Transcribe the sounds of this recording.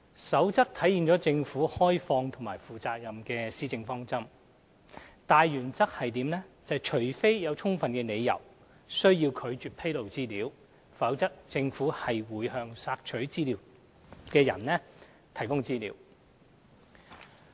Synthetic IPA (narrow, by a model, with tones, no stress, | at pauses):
sɐ˨˥wt͡sɐ˥k̚t̪ʰɐ˨˥ji˨˧nt͡sɔː˨˥t͡sɪ˧ŋfuː˨˥hɔː˥jfɔː˧ŋt̪ʰʊ˨˩ŋmaː˨˩jfuː˨t͡saː˧k̚jɐ˨mkɛː˧siː˥t͡sɪ˧ŋfɔː˥ŋt͡sɐ˥m | t̪aː˨jːyː˨˩nt͡sɐ˥k̚hɐ˨jt̪iː˨˥mnɛ˥t͡sɐ˨jt͡ʃʰɵ˨˩ɥfe˥jjɐ˨˧wt͡ʃʰʊ˥ŋfɐ˨nkɛː˧ne˨˧jjɐ̰˨˩w | sɵ˥ɥjiː˧wkʰɵ˨˧ɥt͡ʃyː˨˧t̚pʰe˥jlo˨wt͡siː˥liː˨˧w | fɐ˨˥wt͡sɐ˥k̚t͡sɪ˧ŋfuː˨˥hɐ˨jwuː˨jhœː˧ŋsaː˧k̚t͡ʃʰɵ˨˥ɥt͡siː˥liː˨˩w | kɛː˧jɐ̰˨˩nlɛː˥ | t̪ʰɐ˨˩jkʊ˥ŋt͡siː˥lḭː˨˧˥w